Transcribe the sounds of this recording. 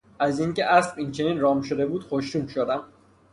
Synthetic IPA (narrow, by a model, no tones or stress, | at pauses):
ʔæziŋce̞ʔæsbint͡ʃʰe̞niːnɾɒːmʃod̪e̞buːd̪xoʃɾuːmʃod̪æm